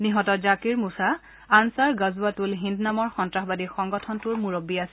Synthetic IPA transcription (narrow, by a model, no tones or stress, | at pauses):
niɦɔtɔzakiɹmusaː | nsaɹɡazuatulɦindnamɔɹxɔntɹaxbadixɔŋɡɔtʰɔntuɹmuɹobiasɛ